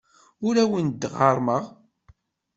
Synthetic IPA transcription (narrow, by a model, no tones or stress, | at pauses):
ʊɾæwənd̪ʁɑɾˤməʁ